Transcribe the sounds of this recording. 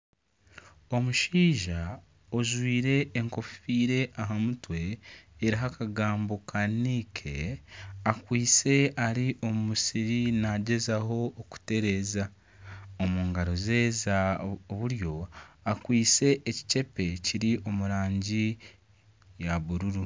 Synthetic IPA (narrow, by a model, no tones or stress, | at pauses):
o̞muʃiːʒa | oʒwiːɾe̞ːŋko̞fiːɾe̞ʔaɦamutwe̞ːɾiɦakaɡaːmbokʰaniːkʰḛ | akwiːt͡se̞aɾiʔo̞mumusiɾinaɟe̞zaɦo̞ːku̥te̞ɾe̞ːza | omuːŋɡaɾo̞ze̞ːzaβuɾjo̞akwiːt͡se̞ʔːci̥ce̞pe̞ciɾiʔo̞muɾaːɲɟi | jaβuɾuɾu